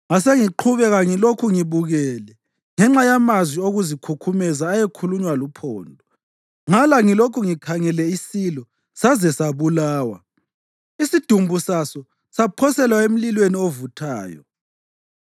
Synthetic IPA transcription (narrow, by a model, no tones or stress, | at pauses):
ŋaseŋiǃʰuβɛɣaŋilokʰuŋiβuɣɛːlɛ | ŋɛŋ͡ǁajamazwioɣuzikʰukʰumɛzaːjekʰuluɲwalupʰɔːndʱɔ | ŋalaŋilokʰuŋikʰaŋɛlɛisilɔ | sazɛsaβulaːwa̰ | isid̥ʱumbʱusasɔ | sapʰɔsɛlwaem̩lilweniovutʰaːjɔ̰